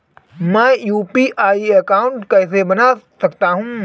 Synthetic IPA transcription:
mɛ̃ːjuːpiːʔaːiekaːʊ̃ɳʈkɛɪsebɐnasɐkt̪aɦũː

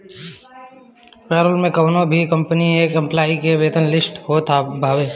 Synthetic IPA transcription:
pɛːɾʊlmẽkɐʋnõbʱikɐ̃mpənieːkɐ̃mplaːikeʋeːt̪ənlɪsʈhot̪ʰabʱaːʋeː

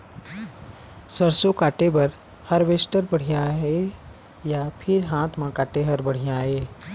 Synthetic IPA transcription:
səɾsokaːʈebɐɾ | həɾʋeːsʈəɾbəɽ̤ijaɦe | japʰɪɾɦãːt̪ʰmãkaːʈeɦəɾbəɽ̤ijaɦeː

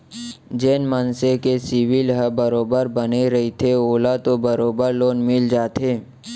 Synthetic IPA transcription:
d͡ʒeːnmənsekesɪʋɪlɦəbəɾoːbəɾbəneɾɐɦit̪ʰeoːlat̪obəɾoːbəɾloːnmɪld͡ʒaːt̪ɦeː

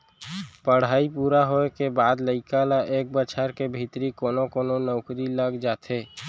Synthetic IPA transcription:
pəɽ̤aːipuːɾaɦoekebaːd̪ləɪkalaʔeːk̚bət͡ʃʰəɾkebʱit̪ɾikoːnokoːnonɔːkɾiləɡd͡ʒaːt̪ʰeː

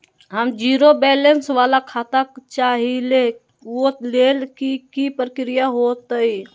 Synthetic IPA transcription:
ɦəmd͡ʒiːɾobɛːlensʋaːlakʰaːt̪akt͡ʃaːɦile | ot̪leːlkikipɾəkɾijaɦot̪əi

